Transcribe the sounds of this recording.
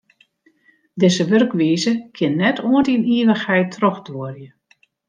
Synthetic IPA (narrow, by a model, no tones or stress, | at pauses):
dɪsəʋørkʋiːzəkʰɪnːɛtʰoəntiniːʋəxhɛjtʰrɔxdoərjə